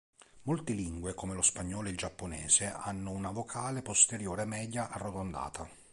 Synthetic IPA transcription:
molt̪ɪliŋɡwekomelospaɲːɔːloild͡ʒapːonɛ̰ːseʔa̰nːʊunavokʰaːlepost̪eɾjoːɾɛmɛːd̪jaʔarːot̪ond̪a̰ːt̪ʰa

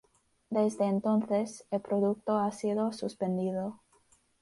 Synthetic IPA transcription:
d̪e̞zðeːnt̪o̞nθeselpɾoðuk̚t̪oasiðosuspe̞nd̪iðo

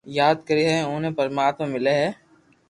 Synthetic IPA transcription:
jaːd̪̚kɐɾiɦɛ̃õːnẽpɐɾmaːt̪mãmɪleɦɛː

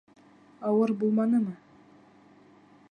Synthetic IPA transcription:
ɑwɤɾbulˠmɑnɤmɤ

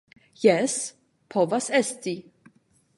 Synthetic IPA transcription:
jɛs | pʰɔvɐsɛst̪i

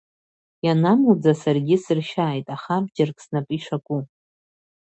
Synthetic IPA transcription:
janamud͡zasarɡʲɪsɨrʃaːjtʼaχabd͡ʒarkʼsnapʼiʂakʷʼu

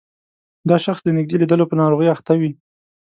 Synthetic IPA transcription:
d̪ɑʃaxsd̪ənɪɡ̚d̪elid̪əlopənɑɾoɣəjaxt̪awi

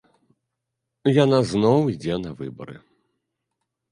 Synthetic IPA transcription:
janaznɔwid͡zʲɛnɐvɨbɐ̰ɾɨ̰

